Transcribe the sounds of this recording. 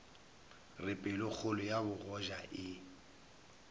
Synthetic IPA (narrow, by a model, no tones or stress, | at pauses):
rɪpʼɛlʊk͡xʰolʊjabʊɣɔʒaʔɪ